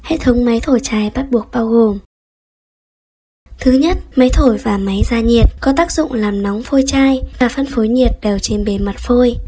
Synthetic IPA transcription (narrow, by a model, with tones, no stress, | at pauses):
hḛ˧˨t̪ʰə˨˦wŋ͡mma˨˦jt̪ʰo˧˩jt͡ɕaː˧jɓa˦˥t̚ɓu˨˩ək̚ɓaː˧wɣo˨˩m | t̪ʰɨ˨˦ɲə˦˥t̚ma˨˦jt̪ʰo˧˩jvaː˨˩ma˨˦jzaː˧ɲi˨˩ət̚kɔ˨˦t̪aː˦˥k̚zʊ̰˧˨ŋ͡mlaː˨˩mnɔ˨˦wŋ͡mfo˧jt͡ɕaː˧jvaː˨˩fə˧nfo˨˦jɲi˨˩ət̚ɗɛ˨˩wt͡ɕe˧nɓe˨˩ma˨˩t̚fo˧j